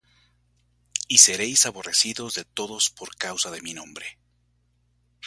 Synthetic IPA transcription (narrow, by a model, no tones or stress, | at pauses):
ise̞ɾe̞jsaβo̞re̞siðo̞zðe̞t̪o̞ðo̞spoɾkawsaðe̞minõ̞mbɾe̞